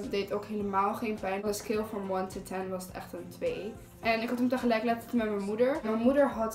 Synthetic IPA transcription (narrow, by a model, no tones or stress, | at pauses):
dejtowkɦejləmaːlˠχẽjnpɛjnəskɪlˠfɑnmwɔntətʰɛnʋɑsətɛ̰χtəntʋej | ʔɛnɪkɦɑtəmtəχəlɛjklɛttənmɛtmɛnmudəɹmɛnmudəɹɦɑt